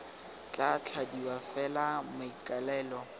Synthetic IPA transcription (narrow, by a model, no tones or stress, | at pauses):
t͡ɬʼat͡ɬʰadiwafɛlamʊikʼalɛːlɔ